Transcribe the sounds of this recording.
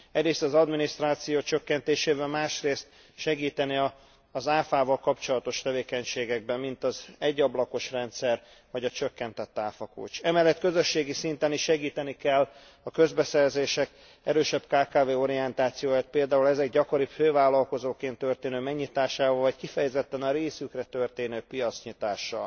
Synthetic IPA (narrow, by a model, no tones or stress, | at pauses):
ɛɟɾeːst̪ɒzɒd̪minist̪raːt̪sijoːt͡ʃø̞kːɛnt̪eːʃeːvɛlmaːʃreːst̪ | ʃɛɡiːt̪ɛniɒː | zaːfaːvɒlkɒpt͡ʃo̞lɒt̪o̞ʃt̪ɛveːkɛɲʃeːɡɛɡ̚bɛmːint̪ɒzɛɟːɒblɒko̞ʃrɛnt̪sɛr | vɒɟɒt͡ʃø̞kːɛnt̪ɛt̪ːaːfɒkṵːt͡ʃɛmɛlːɛt̪kø̞zø̞ʃːeːɡisint̪ɛniʃʃɛɡiːt̪ɛnikɛlː | ɒkø̞zbɛsɛrzeːʃɛk | ɛɾøːʃɛbkaːkaːveːo̞ɾiɛnt̪aːt̪sijoːjaːt̪̚peːld̪aːulɛzɛɡɟɒko̞ɾiføːvaːlːɒlko̞zoːkeːnt̪ːørt̪eːnøːmɛɡɲit̪aːʃaːvɒːlvɒckifɛjɛzɛt̪ːɛnɒɾeːsykrɛt̪ø̞rt̪eːnøːpijɒt̪sɲit̪aːʃːɒ̰l